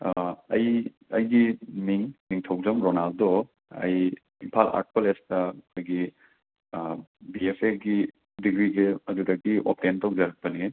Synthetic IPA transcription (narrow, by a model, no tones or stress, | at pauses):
ɐ̰j | ɐjɡiniŋniŋtʰɐwzɐmɾonaldɔ | ɐ̰j | impʰala̰k̚pɐlestɐkʰojɡi | biepʰeɡi | diɡɾiɡeɐdudɐkːiʔo̰p̚tentɐwd͡ʒɐɾɐk̚pɐni